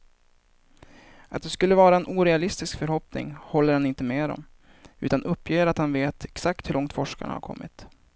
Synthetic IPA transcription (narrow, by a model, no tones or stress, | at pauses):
at̪̚d̪ɛskɵlːəvɑːɾaɛnʔuːɾɛalɪst̪ɪskfœɾhɔpnɪ̰ŋhɔlːəɾhanɪnt̪əmeːɾɔ̰m | ʉ̟ːt̪anʔɵpːjeːɾat̪hanveːt̪ʰɛksak̚t̪hɵɾɭʔɔŋt̪fɔʂka̰ɳa̰ha̰ɾkʰɔ̰mːɪ̰t̪